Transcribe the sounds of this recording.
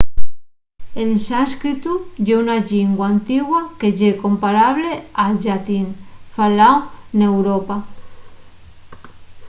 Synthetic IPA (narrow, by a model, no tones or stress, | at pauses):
ensaskɾit̪ud͡ʒeunaʎiŋɡwaːnt̪iɣwaked͡ʒekompaɾaβlead͡ʒat̪infalawnewɾopa